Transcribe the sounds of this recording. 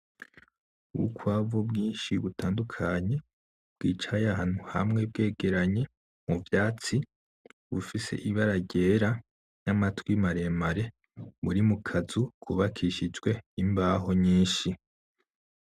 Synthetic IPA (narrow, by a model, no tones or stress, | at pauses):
uukwaːvubɡiːnʃiβutʰaːndukʰaɲe̞ | b̥ɡ̥iːt͡ʃajahan̥huha̰mŋe̞b̚ɡe̞ːɡe̞ɾaɲe̞ | muvjaːt͡si | βufise̞̰ʔiβaɾaɟe̞ːɾa | namatwimaɾe̞maɾe̞ | βuɾimukʰazukʰuβakʰiʃid͡ʒɡwe̞imbaːɦo̞ɲiːnʃi